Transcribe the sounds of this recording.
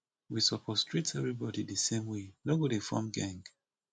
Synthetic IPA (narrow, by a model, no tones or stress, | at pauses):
wisɔpʰɔstʰɹetɛvɹibɔdidəsẽmwenoɡodefɔ̰̃mɡãŋɡ